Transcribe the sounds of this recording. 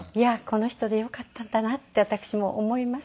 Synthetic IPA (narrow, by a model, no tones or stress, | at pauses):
iako̞no̞çi̥t̪o̞d̪e̞jo̞kat̪ːãnd̪anat̪ːe̞at̪akɯ̥ɕimo̞ʔomo̞imas